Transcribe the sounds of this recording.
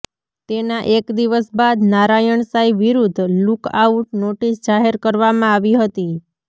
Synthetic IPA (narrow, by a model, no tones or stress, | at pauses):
t̪enaʔekd̪iʋəsbad̪naɾajəɳsaiʋiɾud̪ʱlukauʈnoʈisd͡ʒaɦeɾkəɾʋamãaʋiɦət̪i